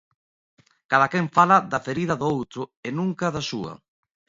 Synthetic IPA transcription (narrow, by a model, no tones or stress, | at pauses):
kaðɐkɛɱfalɐðɐfeɾiðɐðʊowt̪ɾʊenũŋkɐðasuɐ̰